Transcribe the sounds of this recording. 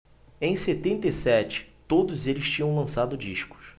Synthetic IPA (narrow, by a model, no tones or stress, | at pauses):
ẽj̃set̪ẽnt̪ejsɛt͡ʃɪ̥t̪od̪ʊzelɪʃt͡ʃĩɲɐ̃w̃lɐ̃sad̪ʊd͡ʒiʃkʊ̥s